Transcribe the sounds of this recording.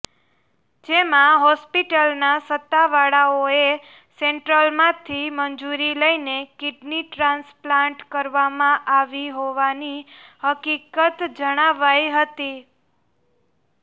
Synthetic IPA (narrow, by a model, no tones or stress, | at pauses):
d͡ʒemãɦɔspiʈəlnasət̪ːaʋaɽaoe | sẽɳʈɾəlmãt̪ʰiməɲd͡ʒuɾiləinekɪɖniʈɾãnsplãɳʈkəɾʋamãʔaʋiɦoʋanihəkikət̪d͡ʒəɽ̃aʋajɦət̪i